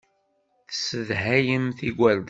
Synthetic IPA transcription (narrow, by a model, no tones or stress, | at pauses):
θsəðɦæjəmθiɡʷæld̪